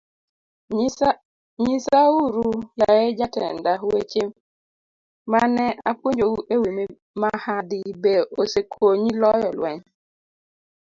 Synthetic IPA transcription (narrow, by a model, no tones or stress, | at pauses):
ɲisauɾujajed͡ʒatɛ̰ndaɦuet͡ʃem | manɛakwoɲd͡ʒoɡuʔewimi | mahadibeosekʰoɲilɔjɔlwɛɲ